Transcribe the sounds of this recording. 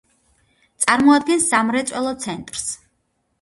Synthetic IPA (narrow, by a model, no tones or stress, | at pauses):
t̪sʼaɾmɔad̪̚ɡɛnsːamɾɛt̪sʼɛlˠɔt̪sʰɛnt̪ʼɾs